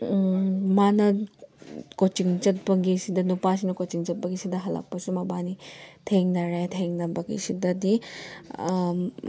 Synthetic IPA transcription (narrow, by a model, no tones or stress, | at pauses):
manɐ | kot͡ʃiŋt͡ʃɐt̚pɐɡisidɐnupas̬inɐkot͡ʃiŋt͡ʃɐt̚pɐɡisidɐɦɐlɐ̰k̚pɐsumɐbanitʰeŋnɐɾetʰeŋnɐbɐɡḭsidɐdi